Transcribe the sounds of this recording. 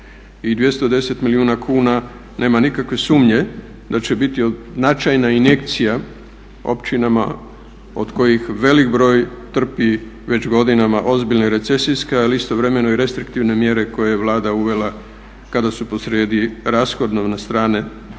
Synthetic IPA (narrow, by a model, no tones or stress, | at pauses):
id̪ʋje̞st̪o̞d̪e̞se̞t̪miliuːnakʰuːna | ne̞ːmanikakʋe̞suːmɲe̞ | d̪at͡ɕe̞bit̪ioznat͡ʃajnaine̞kt̪sija | o̞̰pt͡ʃinama̰ | o̞̰d̪ko̞jixʋe̞likbɾo̞ːjt̪r̩pi | ʋe̞t͡ɕɡo̞d̪inamaʔo̞zbiʎneɾe̞t̪sesiskealiist̪o̞ʋɾe̞me̞noiɾe̞st̪ɾikt̪iʋne̞mje̞ɾe̞ko̞jejeʋlˠaːd̪auʋe̞la | kad̪asupo̞sɾeːd̪iɾasxo̞d̪noʋnast̪ɾaːne̞